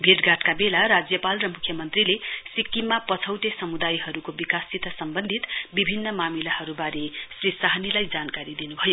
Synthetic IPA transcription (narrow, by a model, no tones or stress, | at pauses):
bʱiʈɡʱaʈkabelaɾad͡zjʌpalrʌmukʰjʌmʌnt̪rilesikːimːapʌt͡sʰʌwt̪esʌmud̪ajɦʌɾukobikasit̪ʌsʌmbʌnd̪ʱit̪bibʱinːʌmamilahʌɾubaɾesrisaɦʌnilajd͡zankaɾid̪inubʱʌjo